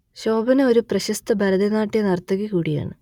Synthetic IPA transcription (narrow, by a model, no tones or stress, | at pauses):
ɕo̞ːbɐnɨoɾuprɐɕɐst̪ɐbʱɐɾɐd̪ɐnaːʈːijɐnɐrt̪ːɐɣikuːɽija̰ːɳɨ